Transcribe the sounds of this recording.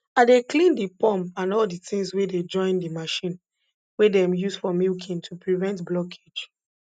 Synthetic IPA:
adeklĩndipɔ̃mpãnɔlditĩŋsweded͡ʒɔ̃ɪ̃ndimaʃĩn | wedɛ̃mjusfɹɔmilkʰĩntʰupɹivɛ̃ntblɔkʰe̥d͡ʒ

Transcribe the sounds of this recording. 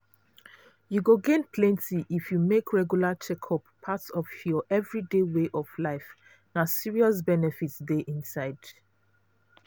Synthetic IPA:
juɡoɡẽnpʰlɛ̃ntiʔifjumekʰɹɛɡjulat͡ʃɛkʰɔpʰːatsɔfjɔʔɛvɹideweʔɔvlaɪf | nasiɹiɔs̬bɛnɛfitsdeʔĩnsaɪd̥

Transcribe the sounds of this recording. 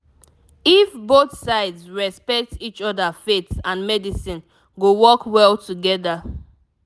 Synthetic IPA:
ifboθsaɪdsɹɛspɛk̚tit͡ʃɔdafetsãnmɛdisĩn | ɡowɔkwɛlˠtuɡɛda

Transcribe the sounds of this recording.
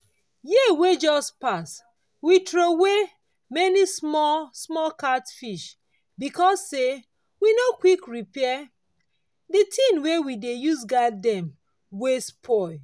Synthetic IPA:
jiəwed͡ʒɔspas | witɹowe | mɛnismɔsmɔlkatfiʃ | bikɔsːe | winokwikɹipɛɛ | ditʰĩnwewidejus̬ɡadɛ̃m | wespʰɔ

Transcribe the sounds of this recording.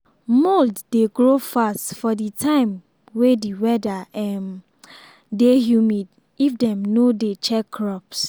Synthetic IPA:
molddeɡɹofastfɔditʰãɪ̃m | wediwɛdaɛm | deɦjumid | ifdɛ̃mnodet͡ʃɛkʰːɹɔps

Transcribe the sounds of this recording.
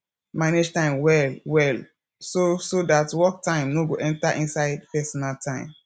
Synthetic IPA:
maned͡ʒtãɪ̃mwɛlwɛl | sosodatwɔk̚tãɪ̃mnoɡoʔɛ̃ntaʔĩnsaɪdpɛsɔnaltãɪ̃m

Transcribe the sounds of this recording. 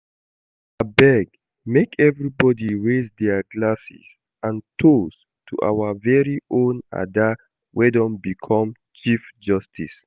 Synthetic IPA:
əbɛɡ | mekʰɛvɹibɔdiɹezdɛɡlasḭz | ãntʰos | tʰuʔa̰wəvɛɹiʔõna̰də | wʔɛdɔ̃mbikʰɔ̃m | t͡ʃifd͡ʒʌstʰḭs

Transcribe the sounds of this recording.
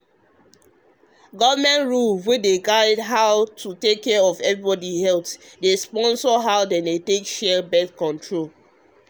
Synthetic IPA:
ɡɔvəmɛ̃ntɹulwedeɡaɪdɦaʊtʰutekʰːɛɹɔvɛvɹibɔdihɛltdespɔ̃nsɔɦaʊdɛ̃ndetekʃɛbɛtkɔ̃ntʰɹol

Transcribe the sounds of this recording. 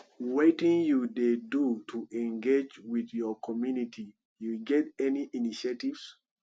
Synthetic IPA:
wetĩŋjudedutʰuɛ̃ŋɡed͡ʒwiðjɔkʰɔmjunitʰi | juɡɛtɛniʔiniʃetivs

